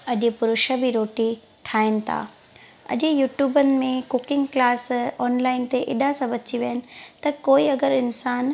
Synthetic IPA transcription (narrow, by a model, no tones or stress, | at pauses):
ɐʄɪpʊɾʊʃəbʱiɾoːʈi | ʈʰaːɪnɪ̆t̪ʰa̰ː | ɐ̰ʄɪjuːʈjuːbənɪ̆mẽkʊkɪ̃ŋɡklaːsɔːnlaːɪnt̪eʔɪ̰ɗasãbɐt͡ɕiʋiənɪ̆t̪ɐkoːiɐɡəɾɪnsaːn